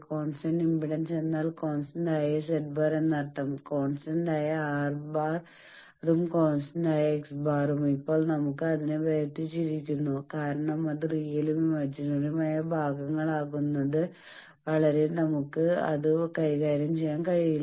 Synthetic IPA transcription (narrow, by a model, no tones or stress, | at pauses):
ko̞ːnsʈɐnɖimbiɽɐnse̞nːaːlko̞ːnsʈɐnɖaːjɐseʈ̚baːɾenːɐʈːɐmko̞ːnsʈɐnɖaːjɐaːrbaːr | ðumko̞ːnsʈɐɳɖaːjɐeksbaːrumipːo̞ːɭnɐmukːɨɐðineʋɐjɐt̪ːit͡ɕːiɾikʲːunːukaːɾɐɳɐmɐðrijilumimɐd͡ʑinɐɽumaːjɐbʱaːɡɐŋːɐɭaːɣunːɐðɨ | ʋɐɭɐɾe̞nɐmukːɨɐ̰ðɨkɐjɣaːɾjɐmt͡ɕe̞jːaːnkɐɻijil